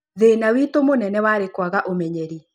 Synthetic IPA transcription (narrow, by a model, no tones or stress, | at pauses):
ðeːnawitomonɛnɛwaːɾekwaɣaʔomɛɲɛɾi